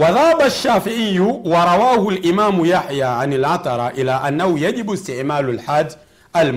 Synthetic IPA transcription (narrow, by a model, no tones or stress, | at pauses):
wɑðˤaːbaʃːaːfɪʕɪjːuwɑɾˤɑwaːhʊlʔɪmaːmjaħjaʕanalʕɑt̪ˤɑɾˤʔɪlaʔanːahʊjad͡ʒɪbst̪ɪʕmaːlalħaːd̪ː | ʔalm